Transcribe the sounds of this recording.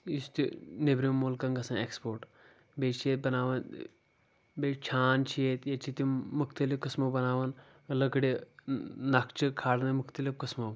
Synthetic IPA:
jist̪inebɾimolkɐŋɡɐsãnekspoːɾʈ | bet͡ʃʰijet̪̚bɐnaːʋɐn | bet͡ʃʰaːnt͡ʃʰijet̪jet͡ʃʰit̪imukʰt̪ɐlifkəsmɐbɐnaːʋɐn | lɐkɽi | nakʰt͡ʃʰikʰaːɽnɐmukʰt̪ɐlifkɐsmo

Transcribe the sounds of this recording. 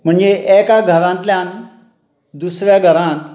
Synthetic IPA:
m̤əɳd͡ʑeʔekaɡʱəɾãnt̪ljãn | d̪usʋjaɡʱəɾãnt̪

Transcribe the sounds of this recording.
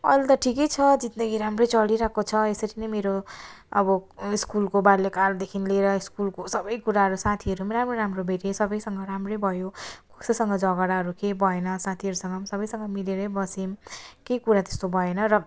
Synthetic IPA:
ʌjlt̪ʌʈʰikʌjt͡sʰʌd͡zit̪̚d̪ʌɡiɾamrʌjt͡sʌliɾakot͡sʰʌesʌɾinʌjmeɾoʌbʌiskulkobaɾlekald̪ekʰinleɾʌiskulkosʌbʌjkuɾaɦʌɾusat̪ʰiɦʌɾumɾamroɾamrobʱeɾesʌbʌjsʌŋɡʌɾamrebʱʌjokusʌsʌŋɡʌd͡zʌɡʌɽaɦʌɾukebʱʌenʌsat̪ʰiɦʌɾusʌŋɡʌmsʌbʌjsʌŋɡʌmileɾʌbʌsimkekuɾat̪e̥st̪obʱʌenʌɾʌ

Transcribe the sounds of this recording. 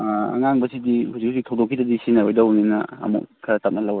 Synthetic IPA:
ɐ̰ŋaŋbɐsidihuzik̚huziktʰɐwdokʰːidɐdisinajojdɐɦuninɐɐ̰mṵk̚kʰɐtap̚nɐlɐw

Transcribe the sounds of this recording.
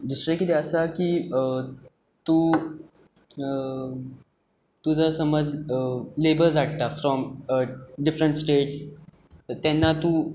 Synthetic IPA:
ɖisʈɾikit̪eəsakiː | t̪u | t̪ud͡zəɾsəməd͡zlebəɾzaʈ̚t̪afɾɔm | ɖifɾəɳʈsʈeʈs | t̪ɛnːat̪uː

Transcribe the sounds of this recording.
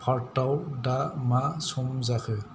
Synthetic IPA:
pʰaɹtawdamasumzakʰɯ

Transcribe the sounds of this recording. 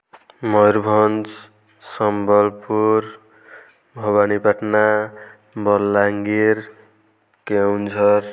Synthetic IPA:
mʌjɾbʱʌnd͡z | sʌmbʌlpuɾ | bʱʌβanibʌʈna | bʌlːaŋɡiɾ | kawnd͡zʌr

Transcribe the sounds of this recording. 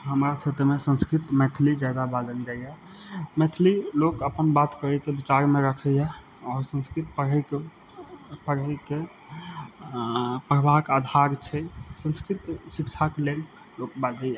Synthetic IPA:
ɦəmɾasət̪mesə̃nskɾit̪mɛt̪ʰlid͡ʒad̪abad̪ənd͡ʒajɛ | mɛt̪ʰlilokəpənbat̪kəɾɛkebit͡ʃaɾmeɾəkʰəɦɛ | ɔːɾsə̃nskɾit̪pəɾɦəi | pəɾəke | pəɾəbakad̪ʱaɾt͡ʃʰɛsə̃nskɾit̪sikt͡ʃʰakelel | lok̚bad̪əɛ

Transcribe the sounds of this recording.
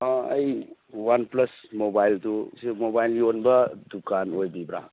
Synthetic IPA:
ɐj | wanplɐsmobajltusimobajlɡionbɐdukanojbibɾa̰

